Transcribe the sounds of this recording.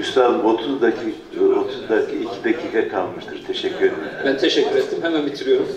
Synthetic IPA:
yʃt̪aːlbot̪ʰuzd̪acʰi | ot̪ʰuzd̪akʰiicʰid̪acʰiːkʰakʰalˠmɯʃt̪ʰɯɾt̪ʰeʃɛcʰːyɾed̪eɾibænt̪ʰeʃɛcːyɾet̪ːimhɛmænbit̪ʰiɾijo̞ɾum

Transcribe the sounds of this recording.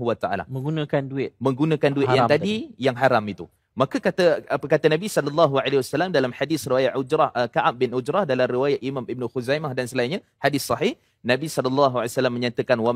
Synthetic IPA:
uwat̪aʔa̰la̰hmə̃ŋɡunãkanduɪt̪̚mə̃ŋɡunãkanduɪt̪jat̪addijaŋɦaɾamit̪u | makəkat̪əpəkat̪anabisɔlɔlːɑɦualewasalamdalamħadɪsriwajaʔ̪ʔud͡ʒɾahəkaʔap̚bɪnʔud͡ʒɾahdalamɾiwajat̪imamib̚nuxuzajmahdansəlainɲa | hadɪsːɑɦih | nãbisɔlɔlːɑɦualjsalamːəɲat̪əkanwa

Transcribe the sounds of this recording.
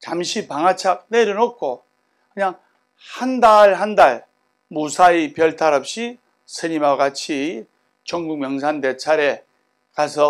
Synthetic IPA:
t͡ɕamɕʰipaŋɦat͡ɕʰak̚neɾɯnok̚k͈ʰo | kɯɲaŋ | handaɭɦandaɭ | musʰaipjʌɭtʰaɾʌp̚ɕ͈i | sʰɯɲimawɡat͡ɕʰi | t͡ɕʌŋɡuŋ̚mjʌŋs̬ʰande̞t͡ɕʰaɾe̞ | kasʰʌ

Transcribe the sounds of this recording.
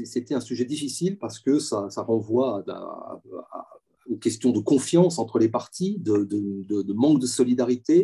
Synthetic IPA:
ɛset̪ɛɛ̃syʒɛd̪ifisilpaʁsə̥kəsasaʁɑ̃vwa̰ | a̰ | ynkʲɛst̪jɔ̃d̪əkɔ̃fjɑ̃sɑ̃t̪χəlepaʁt̪ʰid̪əd̪əd̪əd̪əmɑ̃k̚d̪əsɔlid̪aʁit̪e

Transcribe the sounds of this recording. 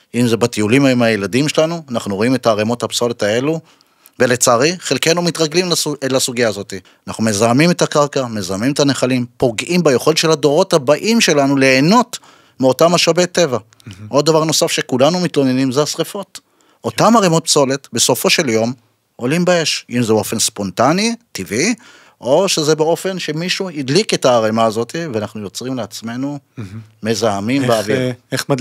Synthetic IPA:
imze̞bat̪iulimaimajeladimʃe̞lanuanaχnuʁo̞ime̞t̪aːʁemo̞thapso̞le̞tae̞lu | ve̞le̞t͡saʁiχelkejnumit̪ʁaɡlimllasuɡijaːzo̞t̪i | anaχnume̞zamime̞t̪akaʁkame̞zamime̞taneχalimpo̞ɡʔimbajeχo̞letʃe̞lado̞ʁo̞thabaʔimʃe̞lanuleːno̞t | meo̞tamaʃabet̪e̞va | ʔo̞d̪̚ːavaʁno̞safʃekulanumitlo̞nenimzeasʁefot | ʔo̞t̪amaʁemot̚pso̞let̪be̞so̞fo̞ʃe̞ljo̞m | ʔo̞limbae̞ʃimzeo̞fe̞nspo̞ntanitivi | ʔo̞ʃe̞zebeo̞fe̞nʃe̞miʃuidlike̞taːʁemaːzo̞tiveanaχnujo̞t͡sʁimleat͡sme̞nume̞zaamimbeavi

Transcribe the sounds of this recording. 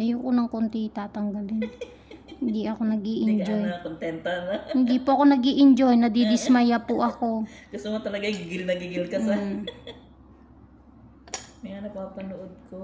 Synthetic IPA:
ʔɐjʊkonɐŋkont̪it̪aːt̪ɐŋɡɐlɪn | hɪnd̪iʔɐko̞nɐɡiːʔɪnd͡ʒojkont̪ɛnt̪ɐnɐhɪnd̪ipoʔɐko̞nɐɡiːʔɪnd͡ʒojnɐd̪id̪ɪsmɐjapʊʔɐko̞ɡʊst̪omɐt̪ɐlɐɡaɡɪɡɪlnɐɡɪɡɪlkɐsɐ | mɐŋanɐpaːpɐnoʔod̪̚ko

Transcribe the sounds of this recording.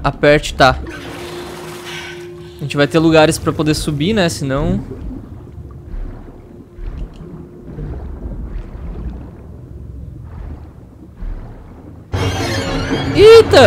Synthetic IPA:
apɛɾt͡ʃɪ̥t̪a | ʒẽnt͡ʃɪvajt̪eluɡaɾɪspɾɐpod̪esubinɛsɪnɐ̃w̃ | it̪ɐ

